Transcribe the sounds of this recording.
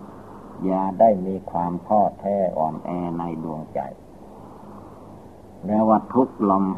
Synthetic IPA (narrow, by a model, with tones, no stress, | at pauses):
jaː˧˩da˥˩jmiː˧kʰwaː˧mkʰɔː˥˩t̪ʰɛː˧˩ʔɔ̰ː˨˩mʔɛː˧na˧jdu˧əŋt͡ɕa̰˨˩j | lɛː˧waː˧˩t̪ʰu˦˥k̚lɔ˧m